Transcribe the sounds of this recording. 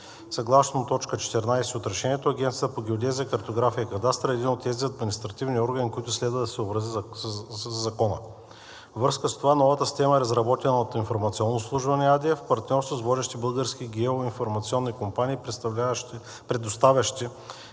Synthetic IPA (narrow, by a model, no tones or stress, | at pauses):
sɐɡlˠasnot̪ɔt͡ʃkət͡ʃɛ̥t̪ɛɾnajsɛot̪ɾɐʃɛniɛt̪oɐɡʲɛnt̪siət̪əpoɡʲiod̪ʲɛzʲiəkɐɾt̪oɡɾafijəkɐd̪ast̪ɾɐɛd̪inot̪ːɛziɐd̪minist̪ɾɐt̪ivniɔɾɡɐnikoit̪ʊslɛd̪vɐd̪ɐsɛobɾɐziː | ɐkɔnə̰ | vvɾəskəst̪ovanɔvət̪əst̪ɛməɛɾɐzɾɐbɔt̪ɛnɐot̪infoɾmɐt̪siɔnːoslˠuʒvɐnɛad̪iəfpɐɾt̪nʲɔɾst̪vosvɔd̪ɛʃt̪ibɤlˠɡəɾsk̟iɡʲɛoinfoɾmɐt̪siɔnːikompanʲiː | pɾɛd̪ost̪avʲɐʃt̪i